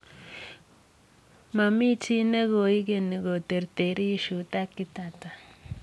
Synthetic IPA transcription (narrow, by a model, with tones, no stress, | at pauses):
ma˨mi˦t͡ʃi˦ne˦ko˨i˦ke˨ni˨ɡo˨t̪e˨ɾt̪e˨ɾi˦ʃu˨t̪a˦kːi˦t̪a˨ta˨